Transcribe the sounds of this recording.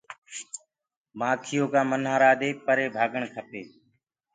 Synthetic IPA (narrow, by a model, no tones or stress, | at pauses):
maːkʰɪjoːkãːmənɦaːɾaːd̪eːpəɾeːbʱaːɡəɳkʰəpeː